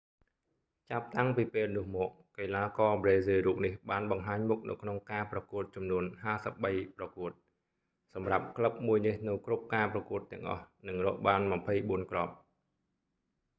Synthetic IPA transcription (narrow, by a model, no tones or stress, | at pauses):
t͡ɕap̚t̪aŋpiːpeːlnʊ̆əhmɔːk̚keːlaːkɑːbreːzeːruːp̚nihɓaːnɓɑŋɦaːɲmuk̚nɨ̰wkʰnoŋkaːprɑkuət̪̚t͡ɕɑmnuənɦaːsəp̚ɓəjprɑkuət̪̚ | sɑmrap̚kʰləp̚muəjnihnɨwkrup̚kaːprɑkuət̪ːɛ̆əŋʔɑ̰hnɨŋrɔːʔɓaːnmɑmpʰəjɓuənkrɑp̚